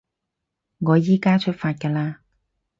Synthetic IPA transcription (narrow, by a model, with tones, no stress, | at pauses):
ŋɔː˨˧jiː˥kaː˥t͡ʃʰɵ˥t̚faː˧t̚kɛː˧laː˧